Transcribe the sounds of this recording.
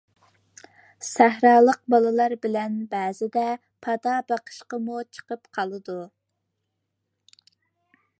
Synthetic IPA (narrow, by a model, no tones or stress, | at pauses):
sæɦɾɑːlˠəq̚bɑlˠɨlˠɑɾbɪlɛnbɛːzɪd̪ɛ | pʰɑd̪ɑbɑqʰə̥ʃqəmut͡ʃʰə̥qəpqʰɑlˠɨd̪u